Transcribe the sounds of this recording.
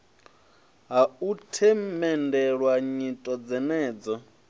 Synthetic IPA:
ɦautʰɛmɛndɛɺwaɲitʼɔd͡zɛnɛːd͡zɔ

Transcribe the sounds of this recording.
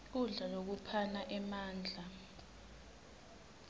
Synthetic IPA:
uɮalok̬upʰanaʔɛmaːnd͡ɮʱa

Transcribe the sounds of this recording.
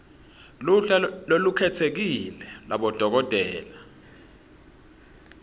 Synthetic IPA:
luɬalolukʰɛtʰek̬ilɛlaɓɔd̥ʱɔk̬ɔd̥ʱɛːla

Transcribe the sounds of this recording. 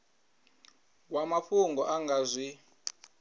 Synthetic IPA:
k̬wamaɸuŋɡɔʔaŋɡaːzʷi

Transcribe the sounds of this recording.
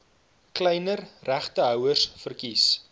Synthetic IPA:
klɛjnərræχtəœwərsfərkis

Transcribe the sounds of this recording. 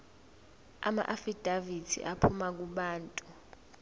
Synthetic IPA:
a̰ma̰ʔafid̥ʱavitʰḭʔapʰumak̬uɓaːntʼu

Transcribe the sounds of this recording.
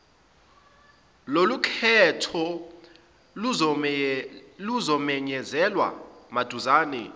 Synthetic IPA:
lolukʰɛtʰɔ | luzɔmɛɲɛzɛlwa̰mad̥ʱuzaːnɛ

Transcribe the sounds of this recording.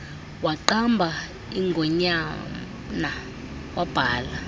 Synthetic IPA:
waǃambʱa | iŋɡʱɔɲa | na | wab̥ʱaːla

